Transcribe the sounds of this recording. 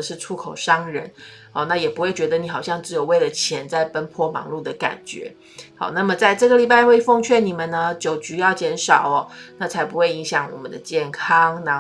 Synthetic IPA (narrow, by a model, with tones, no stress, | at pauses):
ə˩ʂɻ̩˥˩ʈ͡ʂʰu˥kʰo˨˩ʊʂɑ˥ŋɻə˧˥n | ɔ˨˧˦na˥˩jɛ˨˩pu˧xwe˥˩ɪt͡ɕɥɛ˧˥d̪ə˧ni˨˥xɑ˨˩ʊɕjɑ˥˧ŋʈ͡ʂɻ̩˧˥jo˨˩ʊwe˥˩ɪlə˩t͡ɕʰjɛ˧˥nt͡sa˥˩ɪpə˥npʰwɔ˥˧mɑ̰˧˥ŋlu˥˩d̪ə˩ka̰˨˩nt͡ɕɥɛ̰˧˥˦ | hɑ̰˨˧˦ʊna˥˩mə˩t͡sa˥˧ɪʈ͡ʂɤ˥˩ɡə˨li˨˩pa˥˧ɪxwe˥˧ɪfɔ˥˧ŋt͡ɕʰɥɛ˥˩ni˨˩mə˨˦nnə˧t͡ɕjo˨˩ʊt͡ɕy˧˥jɑ˥˩ʊt͡ɕjɛ˧˥nʂɑ˨˩ʊɐ˦na˥˩t͡sʰa˧˥ɪpu˧˥xwe˥˩ɪi˧˥ŋɕjɑ˨˩˦ŋwɔ̰˨˩mə˦nd̪ə˨t͡ɕjɛ˥˩nkʰɑ˥ŋna˧˩